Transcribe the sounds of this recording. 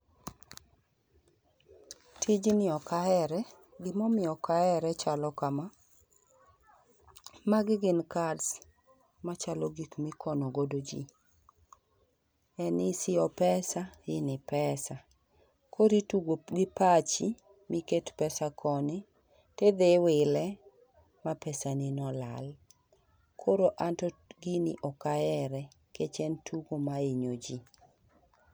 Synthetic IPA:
tʰid͡ʒnɪɔkaɛɾɛ | ɡɪmɔmɪɔkaɛɾɛt͡ʃalɔkama | maɡɪɡɪnkads | mat͡ʃalɔɡikmɪkʰɔnoɡodod͡ʒḭ | ɛnɪsɪɔpɛsaɪnɪpɛsa | kʰoɾituɡɡɪpat͡ʃi | mɪketpɛsakʰɔnɪ | ted̪ewɪlɛ | mapɛsanɪnɔla̰l | kʰoɾoʔantɔɡinɪ̰ʔɔkaɛɾɛ | ket͡ʃɛntʰuɡomaiɲod͡ʒi

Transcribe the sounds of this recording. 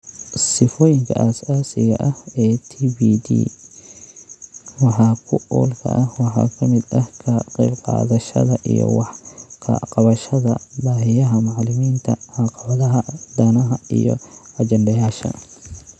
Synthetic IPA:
sɪfɔːjɪŋkʰɐ̰ʔɐsaːsɪɣɐʔɐhɛːt̪ʰiːbiːd̪ḭː | wɑħɑːkʰʊɔ̰ːlkʰɐ̰ʔɐhwɑħɑ̰ːkʰɐmɪd̪ɐhkʰɐqɛjbqɑ̰ːðɐʃɐ̰ðɐʔijɔ̰wɑħqʰɐ̰qɑβɐʃɐðɐbaːɦɪjɐɦɐmɑʕlɪmiːnt̪ʰɐʕɑqɑβɐðɐɦɐd̪aːnɐɦɐijɔ̰ɐt͡ʃɛndɐjaːʃɐ̰

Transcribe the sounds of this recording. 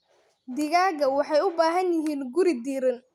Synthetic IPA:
d̪ɪɣaːɣɐwɑħɑjʊbaːɦɐnjɪɦiːnɡʊɾɪd̪iːɾɪn

